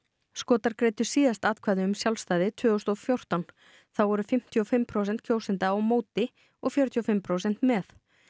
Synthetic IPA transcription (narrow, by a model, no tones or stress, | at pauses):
skɔːt̪aɾkɾeːjt̪ʏ̥siːðast̪aːðkʰvaːðʏʏmsjawlst̪aːjðɪt̪ʰvʏːɣʏst̪ɔfjowr̥t̪an | θawvɔɾʏfɪm̥t̪ʰiɔfɪmːpʰɾowsɛnt̪̚cʰowsɪnt̪aawmoːwt̪ɪ | ɔɣfjœɾʏt̪ʰiɔfɪmpʰɾowsɛn̥t̪mɛθ